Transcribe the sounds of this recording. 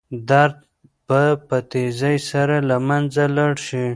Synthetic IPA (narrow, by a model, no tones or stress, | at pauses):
d̪aɾd̪̚ | papət̪ezajsaɾalamanzalaɽʃi